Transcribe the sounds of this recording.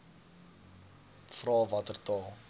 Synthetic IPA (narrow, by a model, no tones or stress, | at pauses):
frɑːvɐtərtɑːlˠ